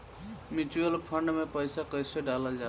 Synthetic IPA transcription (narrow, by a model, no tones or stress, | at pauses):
mit͡ʃuəlpʰəɳɖmepəjsakəjseɖaləld͡ʒa